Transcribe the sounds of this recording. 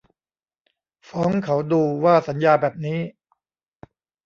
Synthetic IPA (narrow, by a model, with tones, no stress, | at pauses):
fɔː˦˥ŋkʰa˩˦wduː˧waː˥˩sa˩˦njaː˧bɛː˨˩p̚niː˦˥